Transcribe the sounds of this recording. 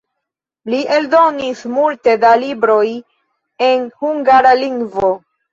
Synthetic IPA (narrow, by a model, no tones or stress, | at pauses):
liʔe̞ldo̞nismulte̞dalibɾo̞j | e̞nhuŋɡaɾaliŋɡvo̞